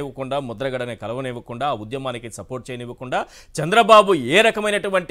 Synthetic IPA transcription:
ʋɐkuɳɖaːmɔd̪ɐɾɐɡɐɽɐnɐkɐlɐʋɐneːʋɐkuɳɖaːud̪jɐmaːnikisɐpoːɾʈ̚t͡ʃeːjniʋɐkuɳɖaː | t͡ʃɐnd̪ɾɐbaːbueːɾɐkɐmɐjnɐʈuʋɐɳʈ

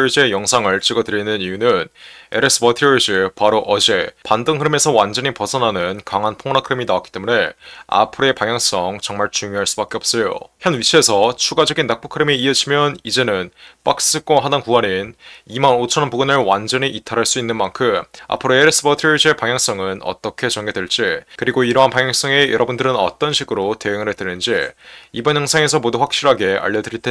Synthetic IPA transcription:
d͡ʑejʌŋsʰaŋɯɭt͡ɕ͈iɡʌtɯɾinɯnijunɯneɾes͈ʰɯbʌtʰiɭd͡ʑɯpaɾoʔʌd͡ʑe̞pandɯŋkʰɯɾɯme̞sʰʌwand͡ʑʌɲipʌsʰʌnɦanɯnkaŋɦanpʰoŋnakʰɯɾeminawakit͈e̞mune̞a̰pʰɯɾoe̞paŋjaŋs͈ʌŋt͡ɕʌŋmaɭt͡ɕuŋjoɦaɭs͈ubak͈e̞ʌp̚s͈ʌjo̰çjʌnɥit͡ɕʰie̞sʰʌt͡ɕʰuɡad͡ʑʌɡinːak̚p͈o̥kʰɯɾemiiʌd͡ʑʰimjʌnid͡ʑe̞nɯnp͈ak̚s͈ɯk͈anɦadaŋkuʌninimanot͡ɕʰʌnpuɡɯnɯɭwand͡ʑʌɲiʔitʰaɾɦaɭs͈uinːɯnmaŋkʰɯma̰pʰɯɾoes͈ɯbʌtʰid͡ʑepaŋjaŋs͈ʌŋɯnʌ̰t͈ʌkʰe̞t͡ɕʌŋɡedwe̞ɭt͡ɕ͈ikɯɾiɡoiɾʌɦanpaŋjaŋs͈ʌŋe̞jʌɾʔʌbundɯɾɯnʌ̰t͈ʌnɕʰiɡɯɾote̞ɯŋɯɾetɯnɯnd͡ʑiibʌnjaŋsʰaŋe̞sʰʌmoduɸwak̚ɕ͈iɾɦaɡe̞a̰ʎːʌdɯɾiɭt͈e

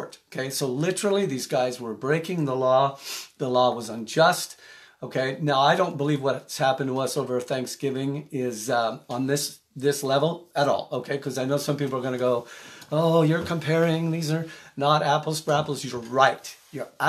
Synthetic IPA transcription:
ɹtoʊkʰeɪsoʊlɪɾə˞l̩ˠiðizɡaɪzwə˞bɹeɪkɪ̃ŋðəlɔðəlɔwʌzə̃nd͡ʒʌst̚oʊkʰeɪnaʊaɪɾõʊ̃nb̥əlivwʌt̚tshæpntʰəʌsoʊvə˞θæ̃ŋksɡ̥ɪvɪ̃ŋɪz̃n̩ðɪs | ðɪslɛvl̩ˠəɾɔ̰lˠoʊkʰeɪkʰʌzaɪnoʊsʌ̃mpipl̩ˠə˞ɡʌñɨɡoʊoʊjə˞kʰə̃m̩pʰɛɹɪ̃ŋðizə˞nəɾæpl̩ˠstɹ̥æpl̩ˠzjə˞ɹaɪt̚jə˞

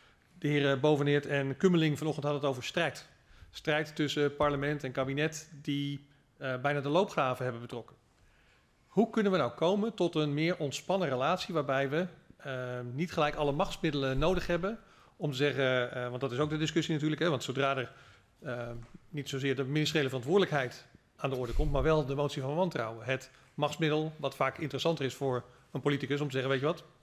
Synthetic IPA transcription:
d̥əɦɪːrəbowvənɪtɛnkøməlɪŋvɑnɔχtəntɦɑdəətowvəɹstrɛjt | strɛjtːʏsəpɑɹləmɛntɛnkaːbinɛtdi | bɛjnaːdəlowpχaːvəɦɛbəbətrɔkən | hukɵnənʋənawkʰowməntɔtənmɪːɹʔɔntspɑnərəlaːtsiʋaːɹbɛjʋə | nitχəlɛjkɑləmɑχtsmɪdələnːowdəχɦɛbən | ɔmtəzɛχəʋɑndɑtɪs̬owɡ̚dədɪskɵsinatyːɹləkɦɛʋɑntsowdraːdər | nitsowzɪːɹdəminɪstərjejləvərɑntʋʊːɹdələkɦɛjt | aːndəɔɹdəkɔmtmaːɹʋɛlˠdəmowtsivɑnəʋɑntrɑ̰wəɦət | mɑχtsmɪdəlˠʋɑtfaːkɪntərəsɑntərɪsfʊːɹ | ənpolitikəsɔmtəzɛχənʋejtjəʋɑt

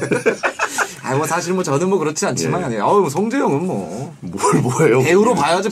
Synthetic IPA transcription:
a̰imʌsʰaɕʰiɾmwʌt͡ɕʌnɯmwʌkɯɾʌt͡ɕʰiant͡ɕʰimaɡiaɲiaʌʌsʰʌŋd͡ʑejʌŋɯnmwʌ̰mɭboejoeuɾopajad͡ʑi

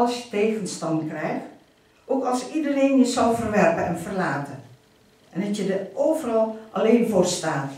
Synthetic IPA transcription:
lˠsjə̥teːɣənstɑntkrɛjxt | ʔoːkɑlˠsidəreːnjəzɑlˠvərʋɛrpəɛnvərlaːtən | ʔɛndɑtjədəʔoːvərɑlˠʔɑleːnfoːrstaːt

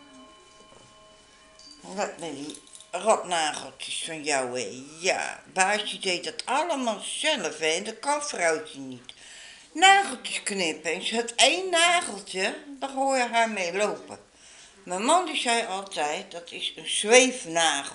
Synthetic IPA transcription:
ʋat̚mɛirɔtnaːɣəlˠtəsfɔnjawejja̰baːstidejdɔtʰalˠəmalˠsɛləfɛːndəkɔnfrawtənit | naːɣəlˠtəsknɪpɛŋsətʰeːnːaːɣəlˠtədɔɦoːjəɦameːloːpə̰ | məmɔndisɛjɔlˠtʰɛjt̚dɔtʰɪsənsʋeːfnaː

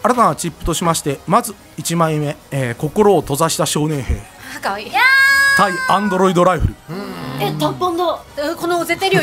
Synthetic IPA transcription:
aɾat̪anat͡ɕipːɯ̟t̪o̞ɕimaɕi̥t̪e̞mazɨ | it͡ɕimaĩme̞ko̞ko̞ɾo̞ːt̪o̞zaɕi̥t̪aɕo̞ːnẽ̞ɰ̃he̞̰ː | t̪aiãnd̪o̞ɾo̞id̪o̞ɾaiɸɯ̟ɾɯ̟et̪õpːõnd̪o | ɯkonoɯzet̪eɾɯjo

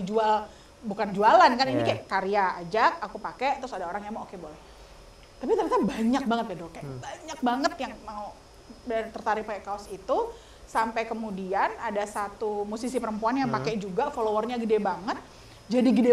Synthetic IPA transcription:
d͡ʒual | bukand͡ʒualankaninikajaʔkaɾiaad͡ʒak̚akupakɛʔt̪ɾʊsadaoɾaŋjamaokebolɛh | t̪apit̪ərɲasabaɲak̚baŋət̪̚jadokajabaɲak̚baŋət̪̚jaŋmau | dt̪ərt̪aɾɪpakekaɔsit̪u | sampajkəmudianadasat̪umusisipəɾəmpuanjaŋpakɛʔd͡ʒuɡafolowərɲaɡədebaŋət̪̚ | d͡ʒadiɡəde

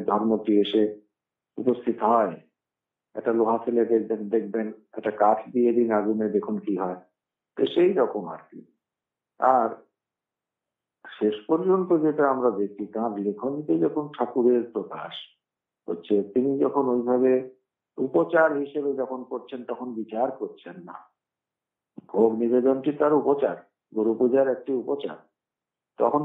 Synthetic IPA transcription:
d̪ʱɔɾmotieʃe | upost̪ʰit̪oɦɔe | ɛ̰k̚ʈaloɦasiled̪ed̪ed̪ek̚ʰbenɛk̚ʈakaʈʰd̪ied̪inaɡuned̪ekʰunkiɦɔe | t̪ḛʃejɾɔkʰona̰ɾkḭ | aɾ | ʃeʃpoɾd͡ʑont̪od͡ʑeʈaamɾad̪ek̚t͡ɕʰit̪ãb̪iɾekʰonit̪ed͡ʑɔkʰonʈʰakuɾeɾpɾoka̰ʃ | ɦo̰tːɕʰet̪inid͡ʑɔkʰonojbʱaβe | upot͡ɕaɾɦiʃebed͡ʑɔkʰonkoɾt͡ɕʰent̪ɔkʰonbit͡ɕaɾkoɾt͡ɕʰenːa̰ | bʱoɡnibed̪onʈit̪aɾupot͡ɕaɾ | ɡoɾupud͡ʑaɾɛk̚ʈiupot͡ɕa̰ɾ | t̪ɔ̰kʰon

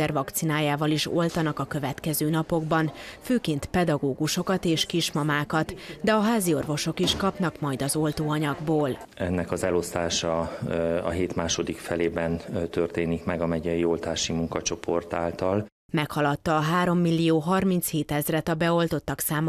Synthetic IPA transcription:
ɛrvɒkt̪sinaːjaːvɒliʃo̞̰lt̪ɒnɒkɒkø̞vɛt̪kɛzøːnɒpo̞ɡbɒnføːkeːnt̪pɛd̪ɒɡoːɡuʃo̞kɒt̪eːʃkiʃmɒmaːkɒt̪d̪ɛɒɦaːzio̞rvo̞ʃo̞kiʃkɒpnɒkmɒjd̪ɒzo̞lt̪oːɒɲɒɡboːl | ɛnːɛkɒzɛlo̞st̪aːʃɒ | ɒ̰ɦeːt̪maːʃo̞d̪ikfɛleːbɛnt̪ørt̪eːnikmɛɡɒmɛɟɛjio̞lt̪aːʃimuŋkɒt͡ʃo̞pʰo̞rt̪a̰ːlt̪ɒl | mɛkhɒlɒt̪ːɒːɦaːɾo̞mːilːijoːɦɒrmint̪sheːt̪ɛzrɛt̪ɒbɛo̞lt̪o̞t̪ːɒksaːm

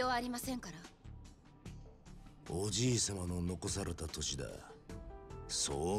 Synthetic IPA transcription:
oβaːɾʲimasẽ̞ŋkaɾa | od͡ʑiːsamano̞no̞ko̞saɾe̞t̪at̪o̞ɕid̪a̰ | soː

